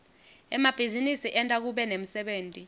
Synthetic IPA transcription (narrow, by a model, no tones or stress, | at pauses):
ɛmab̥ʱizinisiʔɛntʼak̬uɓɛnem̩sɛɓeːntʼi